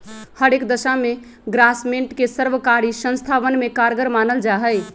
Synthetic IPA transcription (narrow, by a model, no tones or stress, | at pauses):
həɾekd̪əʃame | ɡɾasmeɳʈkesəɾʋəkaɾisə̃nst̪ʰaʋənmekaɾɡəɾmanəld͡ʒaɦəj